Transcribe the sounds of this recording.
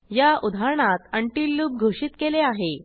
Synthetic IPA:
jaʔud̪ʱaɾɳ̃at̪əɳʈiːlːuːb̚ɡʱoɕiːt̪keleaɦe

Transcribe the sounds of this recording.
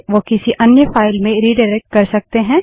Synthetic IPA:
ʋokɪsiʔɐnjəfaːɪlmẽɾiːɖaːɾɛːk̚ʈ̚kɐɾsɐk̚t̪eɦɛ̃ː

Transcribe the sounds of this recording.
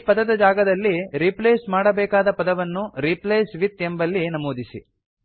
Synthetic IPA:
pɐd̪ɐd̪ɐd͡ʒaːɡɐd̪ɐlːiɾipleːsmaːɽɐbɛːkaːd̪ɐpɐd̪ɐʋɐnːuɾiplejsʋit̪embɐlːinɐmoːd̪isi

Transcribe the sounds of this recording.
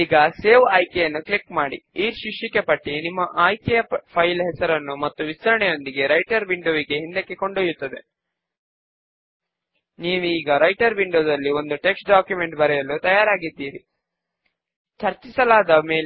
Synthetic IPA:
iːɡɐse̞ːʋaːjkejɐnːuklikmaːɽḭiːʃikʂikːepɐʈːinimːɐʔaːjkejɐpʰɐjlɦɛsɐɾɐnːumɐt̪ːuʋist̪ɐɾɐɳɛjo̞nd̪iɡe̞ɾɐjʈɐɾʋiɳɖoːʋiɡe̞ɦind̪ekːeko̞ɳɖoːjut̪ːɐd̪e̞ | niːʋuiːɡɐɾɐjʈɐɾʋiɳɖoːd̪ɐlːio̞nd̪uʈe̞ksʈɖaːkjume̞ɳʈbɐɾɛjɐlut̪ɐjaːɾaːɡid̪ːiːɾi | t͡ʃɐɾt͡ʃisɐlaːd̪ɐme̞ː

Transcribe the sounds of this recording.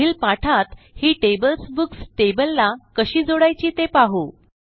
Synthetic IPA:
iːlpaʈʰat̪ | hiːʈebəlsbuksʈebəlːakəɕiːd͡zoɽajt͡ɕiːt̪epaɦo

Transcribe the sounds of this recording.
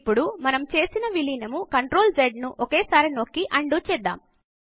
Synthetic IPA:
pːuɽumɐnɐmt͡ʃe̞ːsinɐʋiliːnɐmukɐɳʈɾo̞ːld͡ʒeɖnuʔokeːsaːɾinoːkːiʔɐɳɖuːt͡ʃɛd̪ːa̰ːm

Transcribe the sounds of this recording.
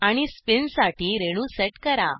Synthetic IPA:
aɽ̃ispinsaʈʰiːɾeɽ̃useʈkəɾa̰

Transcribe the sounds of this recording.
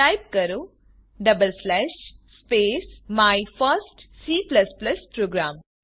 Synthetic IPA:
aːjp̚kɐɾu | ɖɐbəlslɛːʃspeːsmaːjfəɾsʈsiːplɐsplɐspɾoːɡɾaːm

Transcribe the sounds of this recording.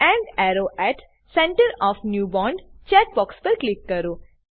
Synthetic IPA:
ɛ̃ɳɖɛɾoʔɛʈ | sɛ̃ɳʈəɾɔːfnjuːbɔ̃ːɳɖt͡ʃɛːʈ̚bɔːkspəɾklɪkːəɾoː

